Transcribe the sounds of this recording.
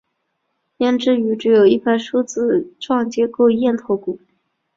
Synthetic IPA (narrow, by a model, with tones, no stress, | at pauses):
jɛ˥˧nʈ͡ʂɻ̩˥˩y˧˥ʈ͡ʂɻ̩˧˥jo˨˩ʊi˥˧pʰa˥˩ɪʂu˥t͡sɹ̩˥˩ʈ͡ʂʰwɑ˥˩ŋt͡ɕjɛ˧˥ko˥˧ʊjɛ˥˩nt̪ʰo˧˥ʊku˨˩˦